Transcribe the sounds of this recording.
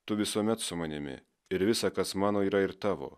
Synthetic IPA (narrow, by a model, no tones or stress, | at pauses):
t̪ʊʋʲɪsuɔmʲɛt̪sʊmɐnʲɪmʲɪ̰ | ɪɾʋʲɪsɑkɐsmɑːnoːiːɾɐɪɾt̪ɑːʋo̰ː